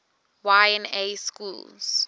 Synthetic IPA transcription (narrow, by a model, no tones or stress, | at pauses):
wajɛ̃neskuls